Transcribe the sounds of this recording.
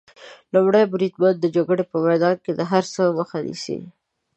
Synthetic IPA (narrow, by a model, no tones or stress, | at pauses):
lʊmɽajbɾid̪̚bajad̪ːəd͡ʒoɡəɽepəmajd̪ɑnked̪əɦaɾsəməxanḭsḭ